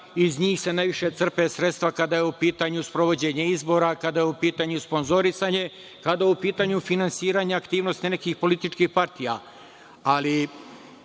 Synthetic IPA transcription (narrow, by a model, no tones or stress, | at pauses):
izɲiːxse̞najʋiʃe̞t̪sr̩pesɾet̪st̪ʋakad̪ajeupiːt̪aɲuspɾoʋo̞d͡ʑe̞ɲeizbo̞ːɾakad̪ajeupiːt̪aɲuspo̞nzo̞ɾisaɲe̞ | kad̪ajupiːt̪aːɲufinansiːɾaːɲeakt̪iːʋno̞st̪ine̞kixpo̞lit̪it͡ʃkixpaɾt̪ija̰ | ali